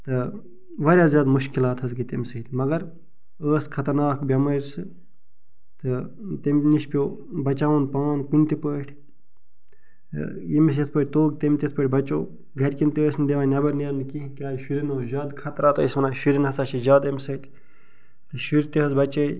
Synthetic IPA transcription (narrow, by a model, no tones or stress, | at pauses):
t̪ɨ | ʋɐɾʲjaːzʲjaːd̪muʃkilaːt̪ɦɐzɡit̪ɐmʲsɐit̪ʲmɐɡɐɾ | əːskʰɐt̪ɐɾnaːkbʲɐmɐɾʲsɨ | t̪ɨ | t̪ɐmʲniʃpʲjoː | bɐt͡ʃaːʋɐnpaːnkunʲt̪ipəːʈʰʲ | jimis̬jɐt̪̚ʰpəːʈ̚ʰʲt̪oːɡ̚t̪ɐmʲt̪ʲet̪ʰpəːʈʰʲbɐt͡ʃo̰ː | ɡɐɾʲkint̪iəːsnd̪eʋaːnʲɐbɐɾnɐɾnɨkikʲaːjʃuɾinoːzaːd̪kʰɐt̪ɾaːt̪oːismɐnaːʃuɾinɦɐsaːt͡ʃʰizaːd̪ɐmʲsɐit̪ʲ | t̪ɨʃuɾt̪iɦɐzbɐt͡ʃəːi